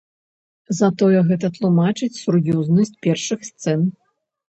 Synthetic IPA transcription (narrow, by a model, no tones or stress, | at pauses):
zɐt̪ɔjɛɣɛt̪ɐt̪lˠumat͡ʂɨt͡sʲsurjɔznɐsʲt͡sʲpʲɛrʂɨxst̪sɛn